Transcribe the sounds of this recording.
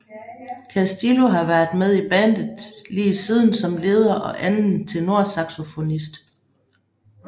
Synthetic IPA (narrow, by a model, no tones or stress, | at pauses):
kʰæsd̥ilo̝ɦɑ̈ʋæɐðˠmeð̞ˠib̥ænd̥ð̩ˠliːsið̞ˠn̩sɒ̽mle̝ːð̞ˠɐʔɒ̽ʔænn̩t͡sʰe̝lno̝ɐ̰sɑ̈ɡ̥so̝fo̝nisd̥